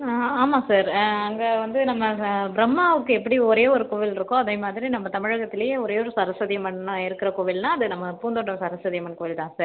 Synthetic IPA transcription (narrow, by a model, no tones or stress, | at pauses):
aːmaːsaːɾɐŋɡɐʋɐnd̪ɯnɐmːɐbɾɐmːaːʋɯkːɯɛpːɐɽiɔɾeːɔɾɯkoːʋɪlɪɾɯkːõɐðeːmaːðɪɾinɐmːɐt̪ɐmɪɻɐɣɐt̪ːɪlɐjeːɔɾeːɔɾɯsɐɾɐsɐðɪjɐmɐnːɐ̃ɪɾɯkːɪɾɐkoːʋɪlnãːɐðɯnɐmːɐpuːnd̪oʈːɐmsɐɾɐsɐðɪjɐmɐnkoːʋɪlt̪ãːsaːɾ